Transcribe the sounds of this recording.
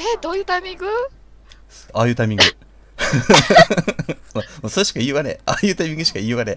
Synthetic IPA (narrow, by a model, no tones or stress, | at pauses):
ed̪oːjɯ̟ːt̪aimʲĩŋɡɯ | aːjɯ̟t̪aimʲĩŋɡɯ | mamosoɕi̥kaiɯβanḛaːjɯ̟ːt̪ajmʲĩŋɡɯ̟ɕi̥kaiβaɾe